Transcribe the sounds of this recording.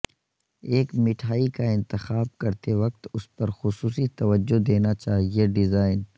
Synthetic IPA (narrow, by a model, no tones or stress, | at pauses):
eːkmɪʈʰaːikaɪ̃nt̪ɪxaːb̚kɐɾt̪eʋɐk̚t̪ʊspɐɾxʊsuːsit̪ɐʋəd͡ʒːod̪eːnat͡ʃaːɦieɖɪzaːɪn